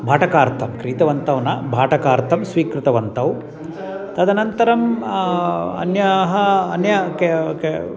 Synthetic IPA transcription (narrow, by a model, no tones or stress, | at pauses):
bʱaːʈɐkaːɾt̪ʰɐmkɾiːt̪ɐʋɐnt̪ɐʋnɐbʱaːʈɐkaːɾt̪ʰɐmsʋiːkɾɪt̪ɐʋɐnt̪ɐw | t̪ɐd̪ʱɐnɐnt̪ɐɾɐm | ɐ̰njɐɦɐɐnjɐkeke